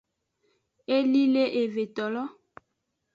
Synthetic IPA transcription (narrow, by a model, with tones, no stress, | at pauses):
e˦li˦le˦ʔe˨ve˨t̪ɔ˨lɔ˦